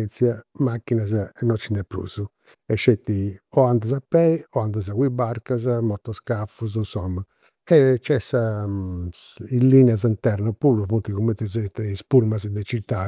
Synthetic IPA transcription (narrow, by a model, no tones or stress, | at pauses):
nt̪sjamakːinazanɔt͡ʃːinːɛpːɾṵːzu | ɛʃːɛt̪ːiɔand̪azapːɛiɔand̪azaɣwibaɾkazamɔt̪ːɔskafuzunsɔmːa | ɛt͡ʃːɛsa | ilːinɛazint̪ɛɾnɔpuːɾuvunt̪iɣumːɛnt̪ːɛzɛt̪ɛispuɾmazd̪ɛt͡ʃit̪ːa